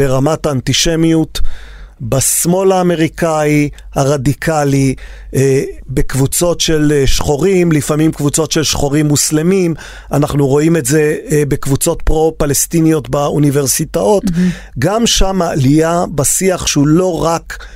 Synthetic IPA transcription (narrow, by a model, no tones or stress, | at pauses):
eʁamataːntiʃemjut | basmo̞laːme̞ʁikaihaʁadikʰali | be̞kvut͡so̞tʃelʃχo̞ʁimlifamimkvut͡so̞tʃe̞lʃχo̞ʁimːuslemim | anaχnuʁo̞imetze̞be̞kvut͡so̞tpʁo̞palestinijo̞tbaunive̞ʁsitao̞t | ɡamʃamaːliabasiaχʃeulo̞ʁak